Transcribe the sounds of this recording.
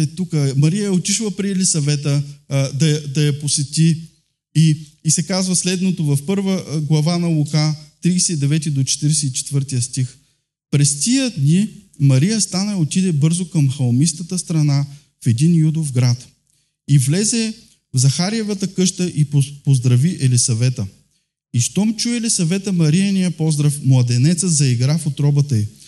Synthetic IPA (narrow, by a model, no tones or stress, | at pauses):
ɛt̪ukəmɐɾijəjɐot̪iʃlˠɐpɾiɛlisɐvɛt̪əd̪ɐjɐd̪ɐjɐposɛt̪i | iːsɛkazvəslɛd̪not̪ovɐfpɤɾvəɡlˠɐvanɐlˠukat̪ɾiːsɛid̪ɛvɛt̪id̪ot͡ʃɛ̥t̪iɾɛsɛit͡ʃɛ̥t̪vɤɾt̪ijəst̪ix | pɾɛst̪ʲiəd̪ni | mɐɾijəst̪anɐot̪id̪ɛbɤɾzokɐmxɐlˠmist̪ət̪əst̪ɾɐna | fɛd̪injud̪ofɡɾat̪ | ivlɛzɛ | vzɐxaɾiɛvɐt̪əkɤʃt̪əʔipopozd̪ɾɐviʔɛlisɐvɛt̪ə | iʃt̪ɔmt͡ʃuɛːlisɐvɛt̪əmɐɾijɐnijəpɔzd̪ɾəfmlˠɐd̪ɛnɛt̪səzɐiɡɾafot̪ɾɔbət̪ɐi